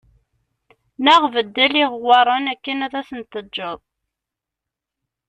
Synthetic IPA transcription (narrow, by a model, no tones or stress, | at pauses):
nəʁvəd̪ːæliʁwɑɾˤːɑnækːənæðæsənt̪əːəðˤ